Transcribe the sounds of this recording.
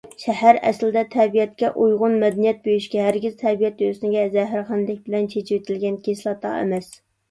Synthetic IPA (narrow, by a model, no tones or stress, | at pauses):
ʃɛhæɾɛ̰slɪd̪ɛt̪ʰɛbijɛt̪̚kʲɛʔujʁʊnmɛd̪ɛnijɛt̪̚bøjiʃkʲɛɦæɾɡʲɪz̥t̪ʰɛbijɛt̪øsnɪɡʲɛzɛɦɪɾχænd̪ɪk̚ʲbɪlɛnt͡ʃʰet͡ʃʰɪwet̪ʰɪlɡʲɛnkʲeslˠɑt̪ʰːɑ̰ḛmɛs